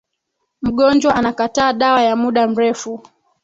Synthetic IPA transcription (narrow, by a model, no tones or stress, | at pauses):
m̩ɠɔnd͡ʒwaʔanakataːɗawajamuɗam̩ɾɛfu